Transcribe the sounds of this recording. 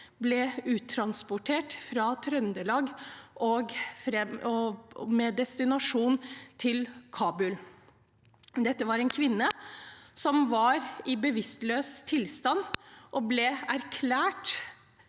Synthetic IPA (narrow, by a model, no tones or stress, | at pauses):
blɛʉːt̪ʰɾɑnspʊʈʰeːʈfɾɑt̪ʰɾœnd̪əlɑːɡʔɔɡfɾɛɔmɛd̪ɛst̪ɪnɑʂuːnt̪ʰɪlkʰɑːbʉl | d̪ɛt̪ːəʋɑɾɛnkʰʋɪnːəsɔmʋɑɾɪbəʋɪst̪løːst̪ʰɪlst̪ɑnːʔɔblɛæɾkʰlæːʈ